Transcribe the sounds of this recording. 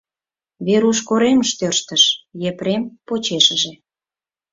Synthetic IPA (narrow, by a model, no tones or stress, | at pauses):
βeɾuʃkoɾeməʃt̪ørʃt̪əʃjepɾempot͡ɕeʃəʒe